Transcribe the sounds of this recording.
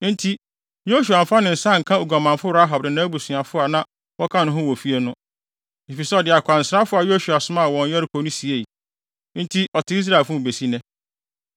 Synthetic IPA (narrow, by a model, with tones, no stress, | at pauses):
n̩˦tʰi˦ | jo˦su˨a˨m̩˨fa˦nɪ̃˨n̩˨sã˦˨ŋ̩˨kʰã˦o˨ɡa˨mã˨nfʊ˦ɾa˦ɦa˨b̚dɪ˨nãː˨˦bu˨sĩ˨a˨fʊ˦a˨nã˦ | wɔ˦kʰã˦nʊ̃˦ɦʊ̃˦wɔ˨fi˦e˦nʊ̃˦ | i˨fi˨sɛ˦ɔ˨dɪ˨a˨kʰʷa˨n̩˨sɾa˦fʊ˦a˨jo˦ʃu˨a˨sʊ˦mã˦˨wɔ̃˨n˦jɛ˦ɾɪ˦kʰo˨˦nʊ̃˦si˨e˦˨i˨ | n̩˦tʰi˦ʔɔ˨tɪ˦i˦s̬ɾa˦˨lfʊ̃˦˨be˨si˦nɛ̃˦